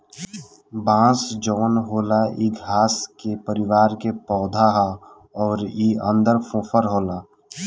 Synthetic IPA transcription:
bãːsd͡ʒɔːnɦoːlaiɡɦaːskepəɾɪʋaːɾkepɔːd̪ʱaɦa | ɔːɾiːə̰̃nd̪əɾfʰõfʰəɾɦoːlaː

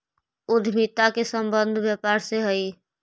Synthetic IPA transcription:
ud̪ʱmit̪akesəmbənd̪ʱbjəpaɾseɦəj

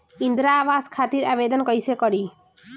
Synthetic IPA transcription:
ind̪ɾaβaskʰat̪iɾabed̪ɔnkɔjsekɔɽi

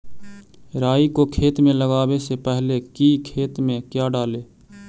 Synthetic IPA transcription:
ɾaːikokʰeːt̪mẽləɡaːwesepɛɦlekiːkʰeːt̪mẽkjaːɖaːleː

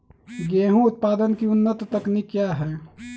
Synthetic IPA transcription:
ɡeːɦũʊt̪̚paːd̪ənkiʊnːət̪ːəknikjaɦɛː

